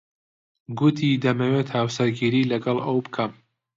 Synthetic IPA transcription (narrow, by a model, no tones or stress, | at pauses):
ɡut̪ʰid̪ɐmɐwet̪haːwsɐɾɡiːɾiːlɐɡɐlˠɐwbɨkʰɐm